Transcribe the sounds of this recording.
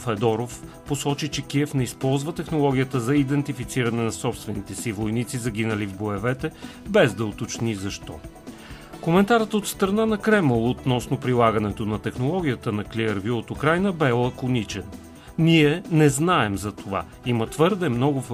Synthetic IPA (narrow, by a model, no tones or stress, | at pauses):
fɛd̪ɔɾofposɔt͡ʃit͡ʃɛkʲiɛfnɛispɔlˠzvət̪ɛxnolˠɔɡʲijət̪əzɐid̪ɛnt̪ifit̪siɾɐnɛnɐsɔpst̪vɛnit̪ɛsivojnit̪sizɐɡinəlivboɛvɛt̪ɛ | bɛzd̪ɐot̪ot͡ʃnizɐʃt̪ɔ | komɛnt̪aɾət̪ot̪st̪ɾɐnanɐkɾɛməlˠot̪nɔsnopɾilˠaɡənɛt̪onɐt̪ɛxnolˠɔɡʲijət̪ənɐkliəɾvʲuot̪ʊkɾajnəbɛlˠɐkonit͡ʃɛn | niɛnɛznaɛmzɐt̪ova̰ | imət̪vɤɾd̪ɛmnɔɡʊf